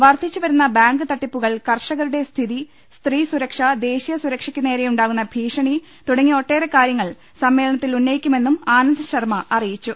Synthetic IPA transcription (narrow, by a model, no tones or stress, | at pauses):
ʋɐrt̪ʰit͡ɕːuʋɐɾunːɐbaːŋɡɨt̪ɐʈːipːuɣɐɭkɐrʂɐɣɐɾuɽe̞st̪ʰiði | st̪riːsuɾɐkʂɐd̪e̞ːɕijɐsuɾɐkʂikʲːune̞ːɾejuɳɖaːɣunːɐbʱiːʂɐɳi | t̪uɽɐŋːio̞ʈːe̞ːrekaːɾjɐŋːɐɭ | sɐmːe̞ːlɐɳɐt̪ːilunːɐjikʲːume̞nːumaːnɐnd̪ʱɐɕɐrmɐʔɐrijit͡ɕːu